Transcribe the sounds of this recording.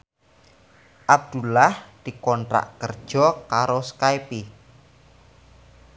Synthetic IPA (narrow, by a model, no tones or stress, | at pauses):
ʔab̚d̪̥ulahd̪̥i̤kɔnt̪ɾa̰ʔkərd̥ʒ̥ɔkaɾoskajpi